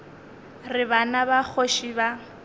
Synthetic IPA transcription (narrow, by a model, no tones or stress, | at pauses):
rɪbanabak͡xʰoʃiba